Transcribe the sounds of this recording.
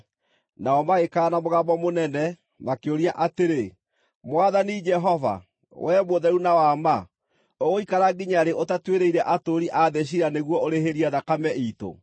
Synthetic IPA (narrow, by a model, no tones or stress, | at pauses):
naɔmaɣekaːnamoɣamɔmonɛnɛ | makeoɾiaʔateɾe | mwaðanid͡ʒɛɦɔva̰ | wʔɛmoðɛɾunawama | oɣoikaɾaɡiɲaɾeotatweɾeiɾɛʔatoɾiʔaðeɕ̬iɾaneɣwɔoɾeɦeɾiɛðakamɛʔito̰